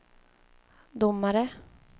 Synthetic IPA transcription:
d̪ʊmːaɾə

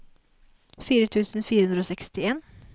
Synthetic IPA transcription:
fiːɾət̪ʰʉːsn̩fiːɾəhʉnd̪ɾəoːsɛkst̪ɪeːn

